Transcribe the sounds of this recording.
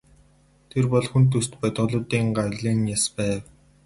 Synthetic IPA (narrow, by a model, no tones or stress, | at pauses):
t̪ʰerpɔɮxunt̪ʰust̪pœt̪ʁʊ̆ɮʊːt̪iːŋɢaɾɮiːŋjaspæːw